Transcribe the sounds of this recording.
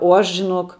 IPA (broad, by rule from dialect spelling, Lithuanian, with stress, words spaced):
oː ˈɐʃ ʒʲɪˈnoːk